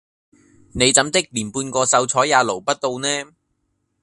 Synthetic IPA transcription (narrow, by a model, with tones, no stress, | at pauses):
ne˨˧jt͡sɐ˨˥mt̪ɪ˥k̚liː˨˩npuː˧nkɔː˧sɐ˧wt͡sʰɔː˨˥jaː˨˧lo˨˩wpɐ˥t̚t̪o˧wnɛː˥